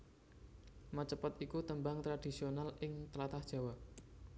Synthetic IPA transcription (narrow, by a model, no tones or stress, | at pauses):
mət͡ʃəpət̪ikut̪əmbaŋt̪ɾad̥i̤sionalɪŋt̪əlat̪ahd̥ʒ̥a̤wa